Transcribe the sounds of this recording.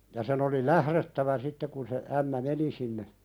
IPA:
jɑ sen oli læhɾetːæʋæ sitːe kun se æmːæ meni sinːe

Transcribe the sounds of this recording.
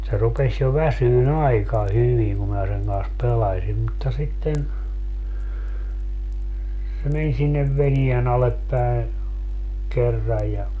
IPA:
se rupesʲ jo ʋæsyːn ɑikɑ hyʋiŋ kum mæː seŋ kɑns pelɑsim mutːɑ sitːen se men sinːeʋ ʋenien ɑlep pæe kerːɑj̆ jɑ

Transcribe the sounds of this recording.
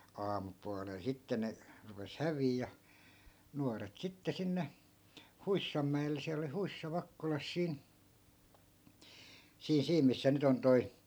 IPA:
ɑːmupuɑlel sitːe ne rupes hæʋiːj jɑ nuɑret sitːe sinːe huisːɑmːæelˑe siæl oli huisːɑ ʋɑkːolɑs siːn siː siːm misːæ nyt on toi

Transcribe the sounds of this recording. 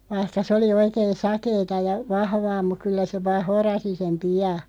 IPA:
ʋɑihkɑ s oli oikeːn̞ sɑkeːtɑ jɑ ʋɑhʋɑː muk̆ kylːæ se ʋɑːh̆ horɑsi sem piɑ

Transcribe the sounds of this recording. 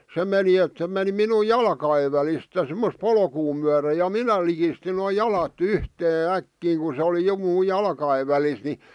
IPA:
se meni et se meni minu jɑlkɑeʋ ʋælist jɑ sĕmːos polkuː myære jɑ minæ likistin noː jɑlɑt yhteː ækːiːŋ ku sĕ oli jo muː jɑlkɑeʋ ʋælis ni

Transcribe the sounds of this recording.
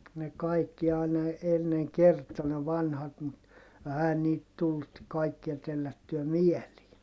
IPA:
ne kɑikːi ɑˑinɑ enːeŋ kertˑo ne ʋɑnhɑt mut ɛhæ niːt tulːut kɑikːiɑ telːætːyæ mieliː

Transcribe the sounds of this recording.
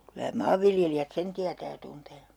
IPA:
kylæ mɑːʋːiljelijæt sen tiætæː jɑ tunteː

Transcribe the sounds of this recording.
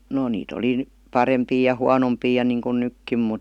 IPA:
no niːt oli n̩ pɑrempiː jɑ huɑnompiː jɑ niˑŋkun nykːim mut

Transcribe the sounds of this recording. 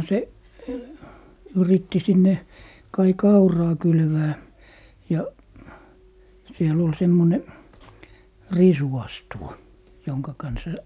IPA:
se yritːi sinːe kɑi kɑurɑː kylʋæː jɑ siel ol semːone risuɑstuwɑ joŋkɑ kɑnsɑ

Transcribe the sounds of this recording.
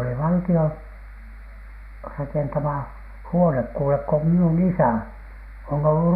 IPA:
oli ʋɑltion rɑkentɑmɑ huonek kuːlek ko minun isæˑ on olːu

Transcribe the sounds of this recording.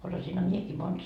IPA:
osɑsinhɑ miekiː mond̥

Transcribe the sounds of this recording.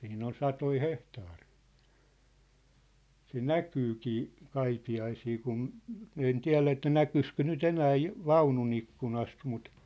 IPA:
siːn on sɑtoi hehtɑːri̥ː se nækyːkiː kɑipi ɑisiː kun min en tiæ̝læ etːæ nækyskø nyt enæː ju ʋɑunun ikːunɑst mut

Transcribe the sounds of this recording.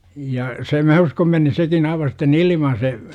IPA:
jɑ se mæ uskom meni sekin ɑiʋɑ sitːen ilimɑ se

